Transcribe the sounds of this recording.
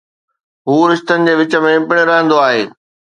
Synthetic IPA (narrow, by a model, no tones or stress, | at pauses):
ɦuːɾɪʃt̪ənɪ̆d͡ʑeːʋɪt͡ɕə̆mẽɪpɪɽ̃eɾɐɦə̃nd̪oaːɦeː